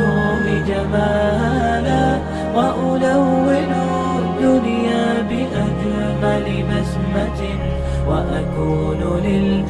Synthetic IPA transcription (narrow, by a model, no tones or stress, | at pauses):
lɪd͡ʒabaːana | waʔʊdawːɪnʊ | d̪ʊnjaːbɪʔad͡ʒ | a | balɪbas | mat̪ɪn | waʔakuː | lʊlɪl